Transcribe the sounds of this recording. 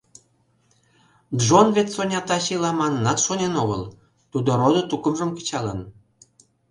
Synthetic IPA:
d̪ʒonvet̪sonʲɑt̪ɑɕilɑmɑnənɑt̪ʃonenoɣə̰l | t̪ud̪oɾod̪ŏt̪ukə̆mʒə̆mkə̥t͡ɕɑlən

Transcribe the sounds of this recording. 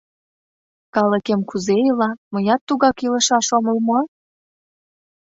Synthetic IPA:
kɑləkemkuzejəlɑməjɑt̪ːuɣɑkilə̆ʃɑʃoməlmoɑ

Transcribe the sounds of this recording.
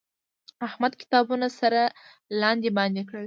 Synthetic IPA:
ahmad̪kɪ̥t̪ɑbunasaɾa | lɑnd̪ebɑnd̪ekɽəl

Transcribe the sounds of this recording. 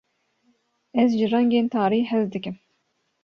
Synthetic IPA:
ɛzʒɨrɛŋɡeːnt̪ʰɑːɾiːhɛzd̪ɨkɨm

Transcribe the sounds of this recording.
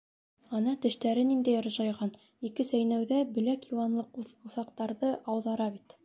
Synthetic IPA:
ɑnɑt̪ɘ̆ʃt̪æɾɘnind̪æjŏɾ̆ʒɑjʁɑn | ikɘsæjnæwðæbɘ̆lækjuwɑnlˠɤquuθɑqt̪ɑɾðɤʔɑwðɑɾɑbit̪

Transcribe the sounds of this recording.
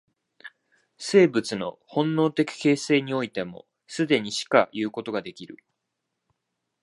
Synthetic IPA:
se̞ːbɯ̟t͡sɨno̞̰hõ̞nːo̞ːt̪e̞kʲi̥ke̞ːse̞ːɲ̟io̞it̪e̞mo̞̰ | sɨd̪e̞ɲ̟iɕi̥ka̰jɯ̟ːko̞t̪o̞ɡad̪e̞kʲiɾɯ̟

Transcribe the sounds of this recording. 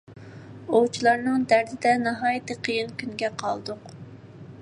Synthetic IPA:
owt͡ʃʰilˠɑɾnɨŋd̪æɾd̪ɪd̪ɛnɑɦɑːjit̪ɨqʰəjinkʲʰynɡʲɛqʰɑ̰lˠd̪ʊq

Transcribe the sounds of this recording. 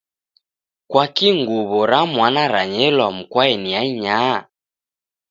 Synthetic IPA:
kwakiŋɡuβɔɾamwanaɾaɲɛlwam̩kwaɛniaiɲa

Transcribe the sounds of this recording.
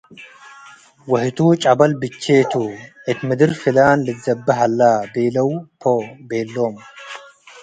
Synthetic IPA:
wɐht̪ʰut͡ʃʼɐbɐlbɨt͡ʃːeːt̪ʰuʔɨt̪mɨd̪ɨɾfɨlaːnlɨzɐbːɐɦalːabeːlɐwpʰobeːlːoːm

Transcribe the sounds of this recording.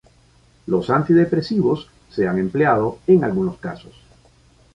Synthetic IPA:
losant̪iðepɾe̞siβosː | eaŋe̞mpleað̞oeŋalɣunoska̰sos

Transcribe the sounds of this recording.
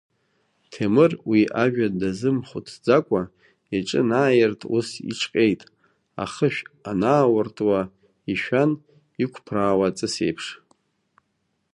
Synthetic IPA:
tʰemɨrwiʔaʒᶣadazɨmχʷʊtʰd͡zakʷʼa | aʈ͡ʂʼɨ̰naːjɪrtʼʰṵsḭʈ͡ʂʰqʲʼe̞jtʼ | a̰χəʃᶣanaːwartʼwa | iʃᶣan | ikʷʰpʰraːwat͡sʼɨse̞̰jpʰʂ

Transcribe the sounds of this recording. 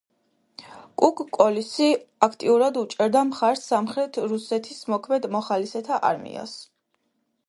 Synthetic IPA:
kʼukʼkʼːɔlisiakʰt̪ʼiuɾad̪ut͡ʃʼɛɾd̪amχaɾsːamχɾɛt̪ʰɾusɛt̪ʰismɔkʰmɛd̪mɔχalisɛt̪ʰaʔa̰ɾmḭa̰s

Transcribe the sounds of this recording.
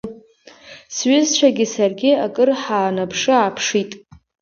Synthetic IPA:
sɥʏzt͡ʃʷʰaɡʲɪsarɡʲɪakʼɨrħaːnapʰʂɨaːpʰʂitʼ

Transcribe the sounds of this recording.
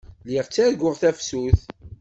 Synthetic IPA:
liʁt͡sːæɾɡʊʁθæfsuθ

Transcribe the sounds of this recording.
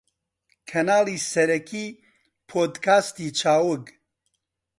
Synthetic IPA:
kʰɐnaːliːsɛɾɛkʰiː | pʰoːd̪kʰaːst̪iːt͡ʃʰaːwʊɡ

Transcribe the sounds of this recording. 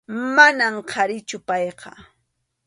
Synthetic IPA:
manamqʰɑɾɪt͡ʃʊpɑjqɑ̰

